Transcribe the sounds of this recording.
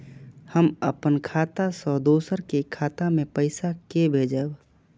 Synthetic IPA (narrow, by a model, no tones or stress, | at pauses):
həməpənkʰaːt̪asɔːd̪oːsəɾkekʰaːt̪amẽpəɪsakebʱeːd͡ʒəb